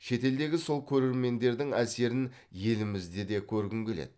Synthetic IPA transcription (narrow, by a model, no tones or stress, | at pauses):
ʃe̞t̪e̞ld̪e̞ɡʲɪso̞lˠkʲʰɵɾe̞ɾme̞nd̪e̞ɾd̪ɪŋæse̞ɾɪn | je̞lɪmɪzd̪e̞d̪e̞kʲʰɵɾɡʲɪŋɡʲe̞lḛd̪ɪ